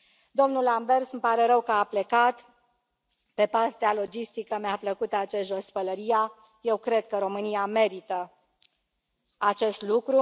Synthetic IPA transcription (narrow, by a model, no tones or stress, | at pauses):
d̪o̞mnulambe̞rsmpaɾe̞ɾəwkəaple̞kat̪ | pe̞part̪ealo̞d͡ʒist̪ikəmeapləkut̪at͡ʃeʒo̞spələɾija | je̞wkɾe̞d̪̚kəɾo̞mɨniame̞ɾit̪ə | at͡ʃe̞st̪lukɾu